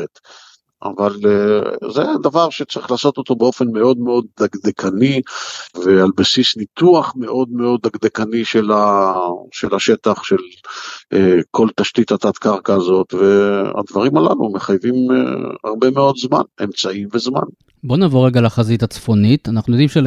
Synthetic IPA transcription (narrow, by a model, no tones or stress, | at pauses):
et̪ | a̰val | zed̪avaʁʃe̞t͡saʁiχlaːso̞t̪o̞t̪o̞beo̞fe̞nme̞o̞d̪meo̞d̪̚ːaɡd̪ekʰanivealbesisnit̪uaχme̞ʔo̞d̪me̞o̞d̪aɡd̪ekaniʃela | ʃe̞laʃe̞t̪aχʃe̞l | eko̞lt̪aʃt̪it̪at̪at̪kaʁkaːzo̞t̪ve̞a̰d̪vaʁimala̰lṵmeχajvim̰a̰ʁbe̞me̞o̞d̪zma̰ne̞mt͡saimve̞zma̰n | bo̞navoʁeɡalaχazit̪at͡sfo̞nit̪anaχnujod̪imʃe